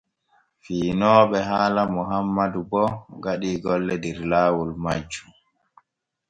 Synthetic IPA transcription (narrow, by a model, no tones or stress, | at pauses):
fiːnɔːɓɛɦaːlamuɦamːadubɔɡaɗiːɡɔlːɛdɛɾlaːwulmad͡ʒu̥